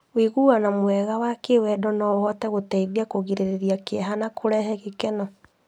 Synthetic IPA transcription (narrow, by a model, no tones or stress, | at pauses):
wiɣuːɣanamoɛɣawakewɛdɔnɔhɔtɛɣotɛiðiakoɣeɾeɾeɾiakeɛɦanakʰoɾɛɦɛɣekɛnɔ